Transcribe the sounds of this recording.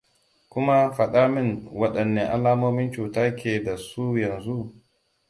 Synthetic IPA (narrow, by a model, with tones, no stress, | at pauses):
kʷʊ˦ma˦ɸɐ˨ɗaː˦mɪ˦ŋwɐ˦ɗɐ˨nːe˦ʔa˦laː˦moː˦mɪ˦nt͡ʃuː˨taː˦kʲeː˨da˨su˦jɐ˨nzu˦ʔ